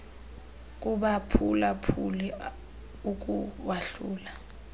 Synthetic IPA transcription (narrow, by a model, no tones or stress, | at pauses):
k̬ʼuɓapʰulapʰuli | uk̬ʼuwaɬuːla